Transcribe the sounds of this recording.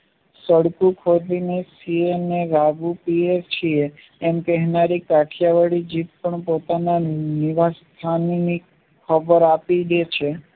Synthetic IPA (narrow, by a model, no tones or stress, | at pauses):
səɽkukʰod̪inesieneɾaɡupieɾt͡ʃʰieː | mkɛɦnaɾikaʈʰjaʋəɽid͡ʒit̪̚pəɳpot̪ananiʋast̪ʰanini | kʰəbəɾapiɡet͡ʃʰe